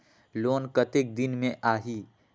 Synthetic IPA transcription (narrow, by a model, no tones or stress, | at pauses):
loːnkɐt̪ek̚d̪ɪnmẽʔaːɦiː